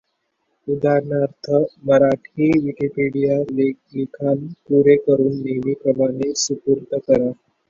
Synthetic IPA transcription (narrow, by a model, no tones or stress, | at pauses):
ud̪aɾnaɾt̪ʰəməɾaʈʰiːʋikipeɽija | likʰanpuɾekəɾuːnːeʋiːkəlanesupuɾt̪əkəɾa